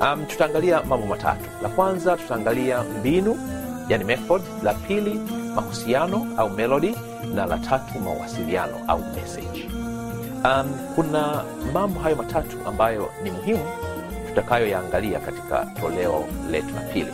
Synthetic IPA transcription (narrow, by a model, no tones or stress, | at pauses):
amtu̥taːŋɡaliamambɔmatʰa̰tu̥lakwanzatu̥taːŋɡaliambinujanimɛfɔd | lapʰilimahusianɔaumɛlɔɗi | nala̰tʰatʰuma̰wa̰silianɔ̰ʔa̰umɛ̰sɛ̰d͡ʒ | amkuna | mambɔɦajɔmatʰatuʔa̰mbajɔ̰nimuɦimu | tu̥takajɔjaːŋɡalia̰kati̥ka̰tɔlɛɔ̰lɛ̰tula̰pʰḭlḭ